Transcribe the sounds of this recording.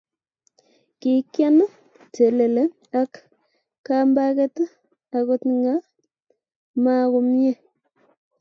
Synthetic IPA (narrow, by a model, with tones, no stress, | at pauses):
ki˨kja˦n˦ | tʰe˨le˨le˦ | a˦kː | amba˦kɛ˦t | a˨kotŋɡa˦ | ma˦ko˨mje˦˨